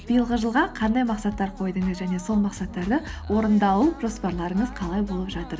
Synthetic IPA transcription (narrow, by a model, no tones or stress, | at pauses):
b̥ijəlˠʁəʒəlˠʁɑqʰɑnd̪ɑjmɑqsɑt̪ːɑɾqʰo̞jd̪əɴəzʒæne̞so̞lˠmɑqsɑt̪ːɑɾd̪əwo̞ɾənd̪ɑwuʒo̞spɑɾlˠɑɾəɴəzqʰɑlˠɑjbo̞lˠəpʒɑt̪əɾ